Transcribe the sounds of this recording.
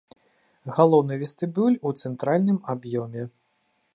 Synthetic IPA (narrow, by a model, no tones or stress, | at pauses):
ɣalˠɔwnɨvʲɛst̪ɨbulʲut̪sɛnt̪ɾalʲnɨmabjɔmʲɛ